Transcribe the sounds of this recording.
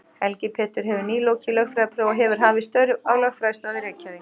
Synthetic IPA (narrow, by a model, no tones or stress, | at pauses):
hɛlcɪpʰɛːt̪ʏɾ̥ɦɛvʏɾniːlowcʰɪlœxfɾaːpʰɾoːwɔɦɛvʏɾ̥ɦaːvɪst̪œɥɾvawlœxfɾast̪aðɪɾɛːcʰavɪŋ